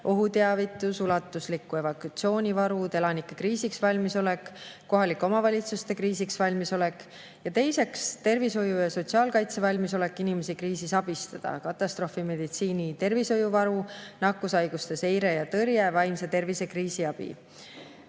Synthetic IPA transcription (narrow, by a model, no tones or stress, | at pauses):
ʔo̞ɦut̪e̞ɑvit̪ːˑusulɑt̪ːˑuslikːˑue̞vɑkut̪sio̞ːnʲivɑɾut̪e̞lɑnikːˑekriːsiksvɑlʲmiso̞le̞kː | o̞ɦɑliko̞mɑvɑlʲit̪sust̪e̞kriːsiksvɑlʲmiso̞le̞kːˑ | jɑt̪e̞jse̞kst̪e̞rviso̞jujɑso̞t̪ʲsiɑːlkɑjt̪se̞vɑlʲmis̬o̞le̞kːˑinime̞sikriːsisɑb̥ist̪ɑd̪̥ɑ̰kɑt̪ːˑɑst̪ɾo̞fime̞d̪it̪siːnʲit̪e̞rviso̞juvɑɾunɑkːˑusɑjɡust̪e̞se̞jɾe̞jɑt̪ɤrjevɑjmse̞t̪e̞rvise̞kriːsiɑb̥ḭ